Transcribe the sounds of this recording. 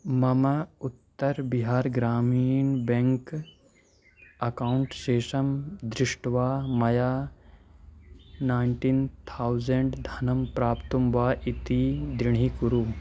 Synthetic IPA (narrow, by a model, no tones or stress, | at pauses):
mɐmɐut̪ːɐɾbiɦaːɾɡɾaːmiːnbẽŋk | ɐkaːuɳʈʃeːʃɐmd̪ɾɪʂʈʋaːmɐjaː | naːjɳʈint̪ʰaːwzeɳɖd̪ʱɐnɐmpɾaːpt̪umʋaːʔit̪id̪ɾɪɳ̤ikuɾuː